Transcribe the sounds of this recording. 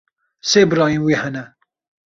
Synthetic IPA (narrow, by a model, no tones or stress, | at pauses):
seːbɨɾɑːjĩnwiːhɛnɛ